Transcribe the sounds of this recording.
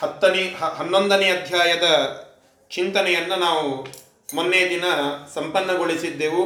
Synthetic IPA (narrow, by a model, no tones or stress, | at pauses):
hɐt̪ːɐniɦɐnːond̪ɐneɐd̪ʱjaːjɐd̪ɐ | t͡ʃint̪ɐnɛjɐnːunaːʋu | monːejɐd̪inɐsɐmpɐnːɐɡoɭisid̪ːeːʋu